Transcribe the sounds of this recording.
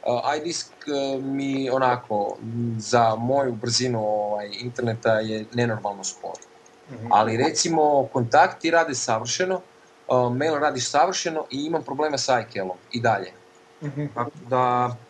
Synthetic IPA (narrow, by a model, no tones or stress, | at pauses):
əʔajd̪iskmio̞nakʰo̞zamo̞jubr̩zinuoʋajint̪e̞ɾne̞t̪aje̞ne̞no̞ɾmalˠno̞skʰo̰ɾo | a̰liɾe̞t̪simo̞ko̞nt̪akt̪iɾaːd̪esaʋr̩ʃeno̞ | mejlˠɾaːd̪iʃsaʋr̩ʃeno̞ʔiimampɾobleːmasajkelˠo̞mid̪aʎe̞̰ | t̪akod̪a